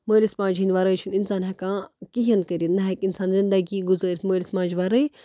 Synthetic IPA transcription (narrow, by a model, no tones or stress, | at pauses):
məːlismãːd͡ʒɦinʲʋɐɾəːt͡ʃʰuninsaːnɦɐkãːkiɦɐnkɐɾʲinnɐɦɐkinsaːnzind̪ɐɡiɡuzəːɾʲsməːlismãːd͡ʒʋaɾəi